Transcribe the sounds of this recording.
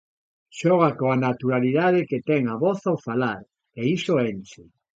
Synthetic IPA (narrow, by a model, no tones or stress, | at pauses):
ʃɔɣ̞akoanat̪uɾaliðaðeket̪ɛŋaβɔθowfalaɾ | eisoent͡ʃɪ